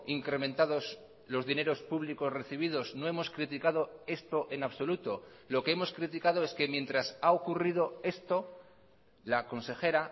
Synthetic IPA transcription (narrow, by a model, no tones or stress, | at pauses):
iŋkɾe̞ment̪aðo̞s | lo̞zðine̞ɾo̞spuβliko̞sre̞θiβ̞ið̞o̞zno̞e̞mo̞skɾit̪ikað̞o̞e̞st̪o̞ʔe̞naβso̞lut̪o̞ | lo̞keemo̞skɾit̪ikað̞o̞e̞ske̞mje̞nt̪ɾasaokurið̞o̞e̞st̪o̞ | lako̞nse̞xe̞ɾa